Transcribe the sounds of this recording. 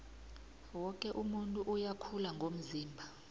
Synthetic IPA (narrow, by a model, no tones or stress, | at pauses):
wɔkʼɛʔumuntʼuʔujakʰulaŋɡʱom̩ziːmbʱa